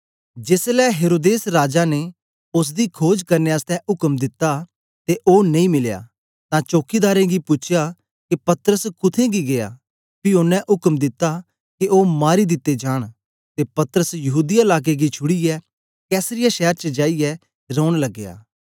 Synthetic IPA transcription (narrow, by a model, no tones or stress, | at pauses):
d͡ʒeːslɛɦeːɾoːd̪eːsɾaːd͡ʒane | ʊs̬d̪ikʰoːd͡ʒkɐɾneast̪ʰɛ̃ʔʊkəmd̪ɪt̪ːa | t̪eʔoːnɐ̃ĩmɪlja̰ː | t̪ãt͡ʃoːkid̪aːɾẽɡipʊt͡ʃʰja | kipɐt̪əɾəskʊt̪ʰẽɡiɡeja̰ | pionːɛ̃ʔʊkəmd̪ɪt̪ːa | kioːmaːɾid̪ɪt̪ːed͡ʒaːɽ̃ | t̪epɐt̪əɾəsjɐɦuːd̪iaɪlaːk̬eɡit͡ʃʰʊɽijɛ | kɛːsɾɪjaʃɛːɾt͡ʃəd͡ʒaːijɛ | ɾɔːʊɽ̃lɐɡːeja̰ː